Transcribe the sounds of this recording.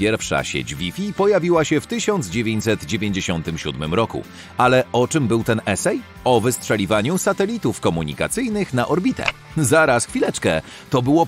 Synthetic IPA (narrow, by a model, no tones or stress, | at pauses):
pʲjɛɾfʂa̰ɕḛd͡ʑvʲifʲipɔjavʲiwaɕɛft̪ɘɕɔnd̪zd͡ʑevʲeɲt͡ɕʲsɛt̪d͡ʑevʲjeɲd͡ʑeɕɔnt̪ɘmɕud̪mɘmɾɔkṵ | alɛɔt͡ʂɘmbɘwt̪ɛnɛsɛj | ɔvɘstʂɛlʲivaɲusat̪ɛlʲit̪ufkɔmuɲḭka̰t̪sɘjnɘxnaʔɔɾbʲit̪ʰɛ̰ | zaɾasxfʲilɛt͡ʂkɛ̰ | t̪ɔbɘwɔ